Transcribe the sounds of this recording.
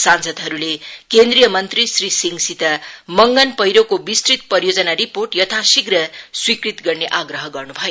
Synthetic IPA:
sansʌd̪ɦʌɾulekend̪rijʌmʌnt̪risrisiŋsit̪amʌŋɡʌnpʌjɾokobist̪rit̪̚pʌɾjod͡zʌnaɾiporʈjʌt̪ʰasiɡrʌswikrit̪ɡʌrneʔaɡrʌɦʌɡʌrnubʱʌjo

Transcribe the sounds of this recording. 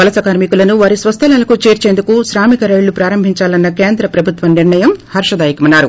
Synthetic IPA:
ʋɐlɐsɐkaːɾmikulɐnuʋaːɾisʋɐst̪ʰɐlaːlɐkut͡ʃe̞ːɾt͡ʃend̪ukuʃɾaːmikɐɾɐjlːupɾaːɾɐmbʱiɲt͡ʃaːlɐnːɐke̞ːnd̪ɾɐpɾɐbʱut̪ʋɐniɾɳɐjɐmhɐɾʂɐd̪aːjikɐmɐnːaːɾu

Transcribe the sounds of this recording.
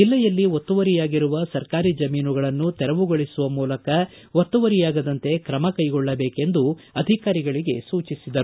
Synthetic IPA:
d͡ʒilːɛjɐlːiot̪ːuʋɐɾijaːɡiɾuʋɐsɐɾkaːɾid͡ʒɐmiːnuɡɐɭɐnːut̪ɛɾɐʋuɡoɭisuʋɐmuːlɐkɐ | ʋot̪ːuʋɐɾijaːɡɐd̪ɐnt̪e̞kɾɐmɐkɐjɡɔɭːɐbeːke̞nd̪uɐd̪ʱikaːɾiɡɐɭiɡe̞suːt͡ʃisid̪ɐɾu

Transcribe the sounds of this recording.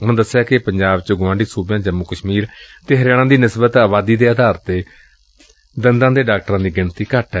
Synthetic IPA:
ʊ̃d̪əsːjaːkɪpəɲd͡ʒaːbt͡ʃɡãːɳɖiːsuːbjãːd͡ʒəmːʊkəʃmiːɾt̪eːɦəɾjaːɽ̃ãːd̪iːnɪsbət̪aːbaːd̪iːd̪eːəːd̪ʱaːɾt̪eː | d̪ənd̪ãːd̪eːɖaːk̚ʈəɾãːd̪iːɡɪnt̪iːkaːʈʰɛ

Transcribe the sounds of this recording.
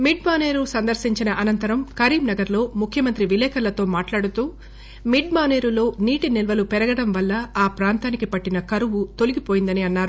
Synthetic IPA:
miɖmaːneːɾusɐnd̪ɐɾsiɲt͡ʃinɐʔɐnɐnt̪ɐɾɐmkɐɾiːmnɐɡɐɾlo̞ːmukʰjɐmɐnt̪ɾiʋilɛːkɐɾlɐt̪o̞ːmaːʈlaːɽut̪uː | miɖ̚maːne̞ːɾulo̞ːniːʈinilʋɐlupɛɾɐɡɐɽɐmʋɐlːɐaːpɾaːnt̪aːnikipɐʈːinɐkɐɾuʋut̪o̞liɡipoːjind̪ɐniɐnːaːɾu

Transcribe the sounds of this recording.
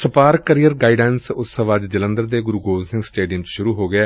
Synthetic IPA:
səpaːɾkəɾiːəɾɡaːiɖɛːnsʊsəʋaːd͡ʒd͡ʒələ̃nd̪əɾd̪eːɡʊɾuɡoːsɪ̃ŋɡsʈeːɖijəmt͡ʃʃʊɾuːɦoːɡɪaː

